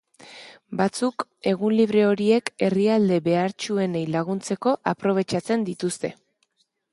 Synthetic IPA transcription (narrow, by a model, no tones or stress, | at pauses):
bat͡suke̞ɣ̞unliβ̞ɾe̞o̞ɾie̞ke̞riald̪e̞βe̞aɾt͡ʃue̞ne̞jlaɣ̞unt͡se̞ko̞ʔapɾo̞β̞e̞t͡ʃat͡se̞nd̪it̪ust̪e̞̰